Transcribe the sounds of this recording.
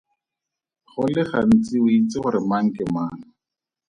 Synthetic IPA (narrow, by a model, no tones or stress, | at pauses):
χʊlɪχan̩t͡sɪwʊit͡sɪχʊɾɪmaŋ̩kɪmaːnʊ